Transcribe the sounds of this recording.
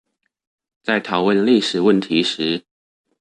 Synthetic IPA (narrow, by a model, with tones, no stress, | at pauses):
t͡sa˥˩ɪt̪ʰɑ˨˩˦ʊwə˥˧nli˥˩ʂɻ̩˨˩wə˥˩nt̪ʰi˧˥ʂɻ̩˧˥